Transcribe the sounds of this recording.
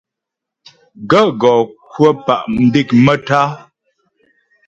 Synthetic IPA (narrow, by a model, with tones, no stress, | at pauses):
ɡə˦˨ɡɔː˨kwə˦pa˨ʔm̩˨bi˦˨kmə˦ta˦